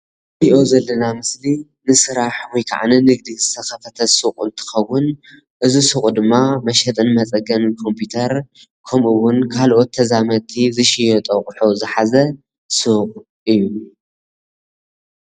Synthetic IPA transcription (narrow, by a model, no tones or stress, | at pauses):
biʔo̞zɐlːɐnamɨsli | nɨsɨɾaħwɔjkʰa̰ʕanɐnɨɡ̚d̪izɨt̪ʰɐxɐfɐt̪ʰɐsɨqʼɨ̰nt̪ʰɨ̥xɐwʊn | ʔɨzisɨkʼd̪ɨmːamɐʃɐt̪ʼɨnmɐt͡sʼɐɡɐnkʰo̞mpʰjit̪ʰɐɾ | kʰɐmʔuwʊnkʰalʔo̞t̪ʰːɐzamɐt̪ʰizɨʃijɛt̪ʼɐχʼħozɨħazɐ | sɨqʼ | ʔɨjːu